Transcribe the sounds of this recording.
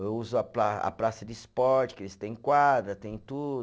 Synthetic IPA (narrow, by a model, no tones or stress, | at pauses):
ewuzʊɐplaa̰pɾasɐd͡ʒɪispɔɾt͡ʃɪ̥kɪelɪst̪ẽj̃kwad̪ɾɐt̪ẽj̃t̪ud̪ʊ